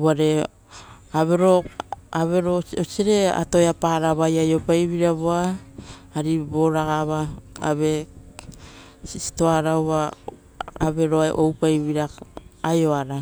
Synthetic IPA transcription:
waɾe̞ | aβe̞ɾoaβe̞ɾoosiɾe̞a̰tojapaɾaβajajo̞pajβiɾaβoa | aɾiboɾaɡaβaa̰βe̞ | sisi̥to̞aɾawβa | aβe̞ɾo̞aʔowpajβiɾaajo̞aɾa

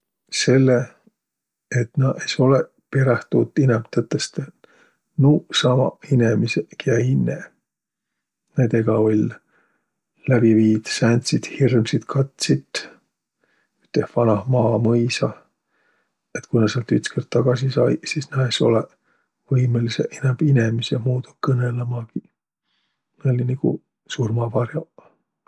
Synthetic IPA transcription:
se̞lːe | et̪nɑʔeso̞le | peɾɑht̪ut̪ːˑinemt̪ɤt̪ːˑest̪e | nusɑmɑ̰inemisekʰjæjnːḛ | nend̪e̞ɡ̥ɑo̞lʲ | læb̥iviːd̪̥sænt̪ʲsid̪̥hirmsit̪kʰɑt̪sit̪ː | y̥t̪ːehvɑnɑhmɑːmɤjsɑ | et̪kujnɑseɑlt̪yt̪skert̪t̪ːɑɡ̥ɑsisɑjsisnæeso̞̰le | vɤjmeliseʔenæmb̥ine̞misemuːd̪̥ukɤnelemɑɡi | neolʲiniɡ̥ṵ | surmɑvɑrjɑ

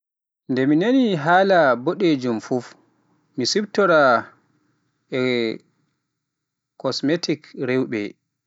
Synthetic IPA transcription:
ndɛminaniɦaːlaboɗed͡ʒumfuf | misibtɔɾa | ɛ | kɔsmetikɾewbɛ̰

